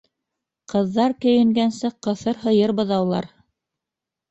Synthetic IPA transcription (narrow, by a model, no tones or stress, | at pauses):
qɤ̆ðːɑɾkɵ̆jɘ̆ŋɡænsɘqɤ̆θɤɾɦɤ̆jɤɾbɤ̆ðɑwlˠɑ̰ɾ